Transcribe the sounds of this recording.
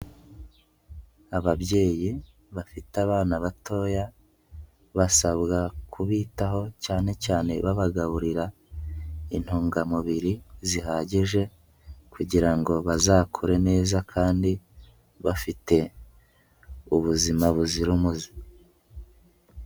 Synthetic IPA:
aβaβje̞ːji | βafitaβaːnaβato̞ːja | βasaβɡakʰuβiːtaɦo̞caːne̞caːne̞βaβaɡaβuɾiɾa | in̥huːŋɡamuβiɾizihaɟeʒe̞ | kuɟiɾaŋɡo̞βazaːkʰoɾe̞ne̞ːzakʰaːndi | βafite̞ | uβuzimaβuziɾumuzi

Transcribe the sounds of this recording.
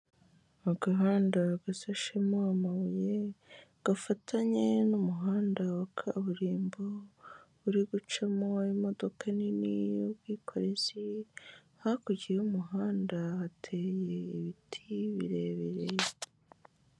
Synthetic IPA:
aɡaɦaːndaɡasaʃemoamaβujeɡ̥afatʰaɲe̞numuɦaːndawakʰaβuɾiːmboβuɾiɡut͡ʃamoimo̞do̞kʰaninḭjubɡiːkʰo̞ɾe̞zi | hakuɟijeumuɦaːndaːtʰe̞ːjeiβitʰiβḭɾe̞ːβeɾeje

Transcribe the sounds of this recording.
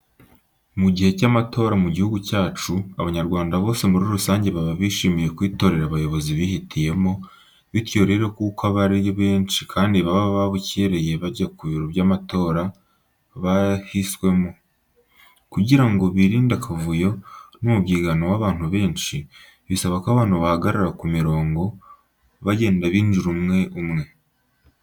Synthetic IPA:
muɟihe̞camatʰo̞ːɾamuɟihuɡucaːt͡ʃuaβaɲaɾɡwaːndaβo̞ːse̞muɾiɾusaːɲɟe̞βaβaβiːʃiːmije̞kwiːto̞ɾe̞ɾaβajo̞βo̞ziβihitʰije̞mo̞ | βitjo̞ːɾe̞ɾo̞kukaβaɾioβe̞ːnt͡ʃikʰaːndiβaβaβaβuceɾe̞je̞βaɟakuβiɾoβɟamato̞ːɾa | βahiswe̞mo | kuɟiɾaŋɡo̞βiɾiːndakʰavujo̞numubɡiːɡanowaβaːn̥huβe̞ːnʃi | βisaβakaβaːn̥uβahaɡaɾaɾakumiɾo̞ːŋɡo̞ | βaɟe̞ːndaβiːnd͡ʒuɾumŋe̞ʔumŋe̞

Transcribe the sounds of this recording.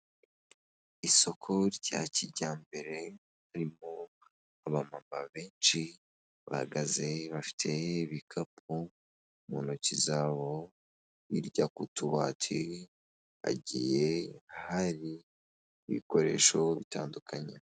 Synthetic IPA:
iso̞kʰo̞ɾɟa̰ciɟaːmbe̞ɾe̞ | haɾimo | aβamamaβeːnt͡ʃi | βa̰ha̰ɡaze̞βafi̥tʰe̞βikʰap̚ʰu | mṵnocizaːβo̞ | iɾɟakutuβa̰tʰi | a̰ɟije̞haɾiː | βḭko̞ɾe̞̰ʃo̞βitaːndukʰaɲe

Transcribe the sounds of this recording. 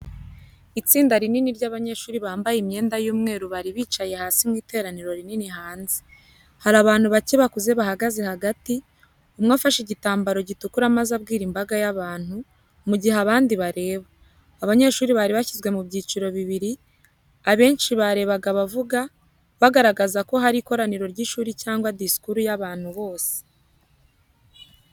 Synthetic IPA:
it͡siːndaɾininiɾɟaβaɲeʃuːɾiβaːmbajimɲe̞ːndajuːmŋe̞ːɾuβaɾiβiːt͡ʃaje̞haːsimŋiːte̞ːɾaniɾo̞ɾininiɦaːnze̥ | haɾaβaːn̥huβaceβakuze̞βahaɡaze̞haɡati | umŋafaʃeɟitaːmbaɾo̞ɟitukuɾamazabɡiːɾimbaɡajaβaːn̥hu | muɟihaβaːndiβaɾe̞ːβaː | βaɲe̞ʃuːɾiβaɾiβaçizɡwe̞mubɟiːt͡ʃiɾo̞βiβiɾi | aβe̞ːnʃiβaɾe̞βaɡaβavuɡa | βaɡaɾaɡazako̞ɦaɾiːko̞ɾaniɾo̞ɾɟiʃuːɾicaːŋɡwadiskuɾujaβaːn̥huβo̞ːse̥

